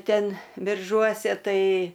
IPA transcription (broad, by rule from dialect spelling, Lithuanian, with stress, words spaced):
ˈtʲɛn bʲɪrˈʒuɔsʲɛ ˈtɐɪ